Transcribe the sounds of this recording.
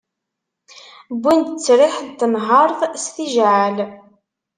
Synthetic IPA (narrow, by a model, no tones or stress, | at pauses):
bːind̪t͡sːɾɪħðt̪ːənɦəɾˤθˤsθiʒʕal